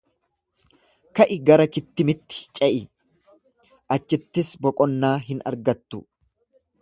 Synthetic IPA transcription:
kɐʔɪɡɐɾɐkɪt̪ːɪmɪt̪ːɪ̥t͡ʃʼɛʔɪ | ʔɐt͡ʃːɪt̪ːɪsbɔkʼɔnːaːɦɪnɐ̰ɾɡɐt̪ːʊ

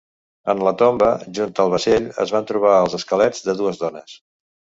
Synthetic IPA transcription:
ənlət̪ombəʒunt̪əlˠβəʃeʎə̰zβant̪ɾuβ̞aəlˠzəskəlɛd͡zðəðuəzðɔnəs

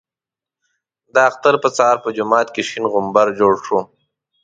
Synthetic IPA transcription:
d̪əaxt̪aɾpət͡sɑːɾpəd͡ʒʊmɑːt̪keʃinɣʊmbaɾd͡ʒoːɽʂu

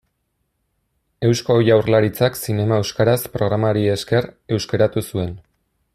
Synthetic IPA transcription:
e̞wsko̞jawrlaɾit͡saksine̞mae̞wskaɾaspɾo̞ɣɾamaɾie̞ske̞ɾe̞wskeɾat̪usue̞n

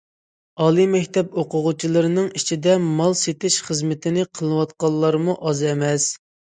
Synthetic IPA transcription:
ɑːlˠɨmɛkʲt̪ɛpoqʊʁʊt͡ʃʰilˠɨɾɨnɨŋit͡ʃʰid̪ɛmɑlˠset̪ɪʃχəzmɪt̪ʰɪnɪqʰəlˠɨwɑt̪̚qɑlˠːɑɾmuʔɑzɛmɛs

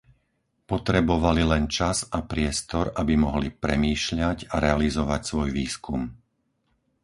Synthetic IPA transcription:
pɔt̪ɾɛbɔʋalilɛnt͡ʃazapɾɪɛst̪ɔɾabimɔɦlipɾɛmiːʃʎaɟaɾɛalizɔʋacsʋɔjʋiːskum

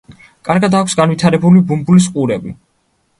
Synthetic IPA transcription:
kʼaɾɡad̪akʷʰsɡanwit̪ʰaɾɛbulibumbulis̬qʼuɾɛbi

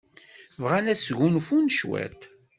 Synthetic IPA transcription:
vʁanæsʝunfunʃwæ̰t̪

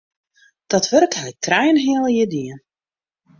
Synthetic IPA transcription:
d̥ɔtʋørkɦɛjtʰrɛjnɦɪəlˠjədiən

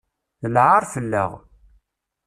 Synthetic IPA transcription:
əlʕaɾˤfəlːə̰ʁ

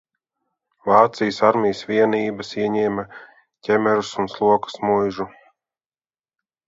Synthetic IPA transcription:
vaːt̪sijəsaɾmʲijsvʲiɛniːbɐsiɛɲɛːmɐ | cʲɛmɛɾusunslˠuɔkḁsmujʒu

